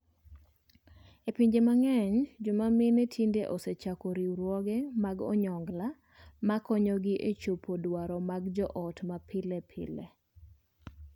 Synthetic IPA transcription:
epiɲd͡ʒemaŋɛɲd͡ʒʊmamɪnetʰindeʔɔset͡ʃakɔɾiɾwɔɡɛmaɡɔ̰ɲɔŋɡla | makɔɲɔɡɪʔet͡ʃopʰodwaɾɔmaɡd͡ʒɔʔɔtmapɪlɛpʰɪ̰lɛ̰

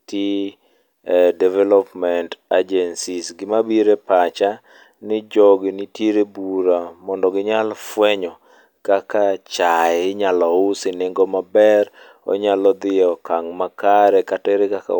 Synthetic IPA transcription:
ti | dɛvɛlɔpmɛntad͡ʒɛnsisɡɪmabiɾepat͡ʃa | nɪd͡ʒɔɡnitjeɾebuɾamɔndɔɡɪɲalfwɛɲɔ | kakat͡ʃaɪɲalɔʊsɪnɪŋɡɔmabɛɾ | ɔ̰ɲalɔd̪ɪɔkaŋmakaɾɛkatɛɾɪkaka̰

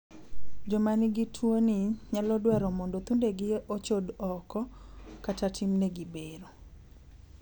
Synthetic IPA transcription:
d͡ʒɔmanɪɡitʰwonɪɲalɔdwɛɾɔmɔndot̪undeɡɪʔot͡ʃodɔkɔkatatʰimneɡibeɾo

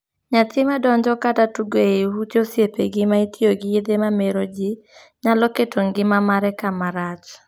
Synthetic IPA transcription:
ɲatɪmadɔɲd͡ʒɔkatatuɡeeɦut͡ʃosjepeɡɪmaitʰioɡɪed̪emameɾod͡ʒi | ɲalɔketʰoŋɡɪmamaɾɛkamaɾat͡ʃ

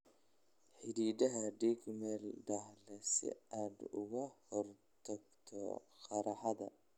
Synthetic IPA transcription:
ħɪɾiːdɐɦɐɖikmɛld̪ɐhlɛsɪ̰aːd̪ʊ̰ɣɐhɔr | t̪ʰɐɡt̪ʰɔ̰qɑɾɑħɑðɐ̰

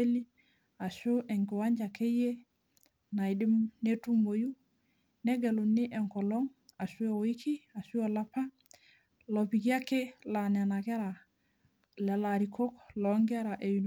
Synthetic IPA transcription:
eli | asuʔeŋkiwaɲd͡ʒakeje | najdimnetumboju | neɡelunːiʔeŋkoloŋasuooikʰiasuolapa | lopikiakelanenakeɾa | lelaɾikʰokloŋɡeɾaʔejun

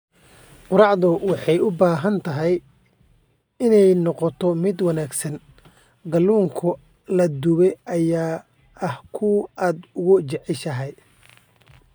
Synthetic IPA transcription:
qʊɾɑʕðʊwɑħɑjʊbaːɦɐnt̪ʰɐɦɛj | ɪnɛjnɔqɔt̪ʰɔmɪd̪wɑnaːɡsɐn | ɡɐlːuːŋkʰʊ | lɐd̪ʊβɛjʔɐjaː | ʔɐhkʰʊaːd̪ʊɣʊt͡ʃɛʕɪʃɐɦɛj

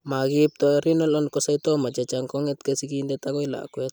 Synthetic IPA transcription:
maɡip̚t̪oɾinɔlɔnkɔsajt̪ɔmat͡ʃat͡ʃaŋkɔŋɛt̪kesikindet̪akɔjla̰kwɛt̪

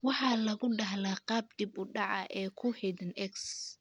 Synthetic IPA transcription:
wɑħɑːlɐɣʊɖɐɦlaːqɑːb̚d̪ibʊɖɑʕɑ̰ʔɛːkʰʊhɛd̪ɐnɛks

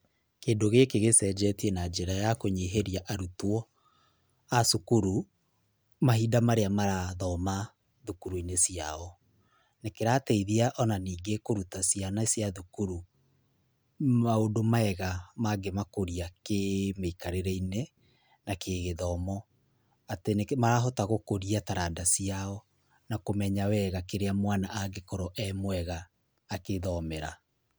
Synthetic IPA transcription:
keːndoɣekeɣesɛd͡ʒɛtienad͡ʒeɾajakoɲeɦeɾiaʔaɾutwɔ | asukuɾu | maɦiːdamaɾeamaɾaðɔma | ðukuɾuinesiaɔ | nekeɾatɛiðiaʔɔnaniːŋɡekoɾutasijanasjaðukuɾu | maondomaɛɣamaɡemakoɾiakemeikaɾeɾɛine | nakeɣeðɔmɔ | atenemaɾaɦɔtaɣokoɾiataɾandasiaɔ | nakomɛɲawɛɣakeɾeamwanaʔaɡekɔɾoʔɛmwɛɣaː | keðɔmɛɾa̰

